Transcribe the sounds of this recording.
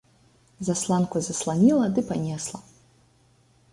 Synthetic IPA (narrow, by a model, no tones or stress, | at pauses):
zaslˠankuzɐslˠanʲilˠɐd̪ɨpanʲɛslˠɐ